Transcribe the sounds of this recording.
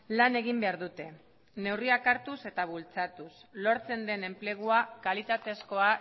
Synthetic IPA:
lane̞ɣ̞imbe̞aɾðut̪e̞ | ne̞wriakaɾt̪use̞t̪aβult͡sat̪uslo̞ɾt͡se̞nd̪e̞ne̞mple̞ɣ̞uakalit̪at̪e̞sko̞a

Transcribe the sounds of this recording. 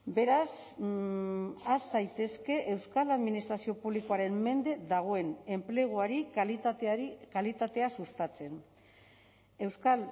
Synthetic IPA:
be̞ɾas | asajt̪e̞ske̞ʔewskalaðminist̪ɾasio̞puβliko̞aɾe̞mme̞nd̪e̞ðaɣ̞o̞e̞ne̞mple̞ɣ̞oaɾi | kalit̪at̪e̞asust̪at͡se̞n | e̞wskal

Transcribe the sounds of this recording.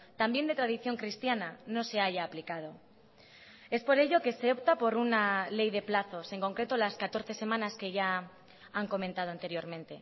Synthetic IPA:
t̪ambje̞nd̪e̞t̪ɾaðiθjo̞ŋkɾist̪janano̞se̞aʝaːplikað̞o̞ | e̞spo̞ɾe̞ʝo̞ke̞se̞o̞p̚t̪apo̞ɾunale̞jðe̞plaθo̞se̞ŋko̞ŋkɾe̞t̪olaskat̪o̞ɾθe̞se̞mãnaske̞ʝa | aŋko̞mẽnt̪að̞o̞ant̪e̞ɾjo̞ɾmẽnt̪e̞

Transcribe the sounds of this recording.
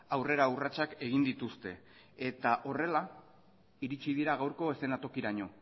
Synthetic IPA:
awre̞ɾaurat͡ʃake̞ɣ̞ind̪it̪ust̪e̞̰ | et̪aʔo̞re̞la | iɾit͡ʃið̞iɾaɣ̞awɾko̞e̞se̞nat̪o̞kiɾaɲo̞

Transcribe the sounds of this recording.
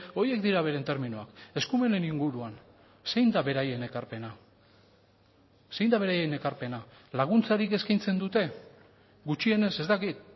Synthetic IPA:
o̞je̞k̚d̪iɾaβ̞e̞ɾe̞nt̪e̞ɾminuake̞skume̞ne̞niŋɡuɾuan | se̞jnd̪aβe̞ɾaje̞ne̞kaɾpe̞na | se̞jnd̪aβe̞ɾajene̞kaɾpe̞na | laɣ̞unt͡saɾike̞skajnt͡se̞nd̪ut̪e̞ | ɡut͡ʃie̞ne̞se̞zt̪akit̪

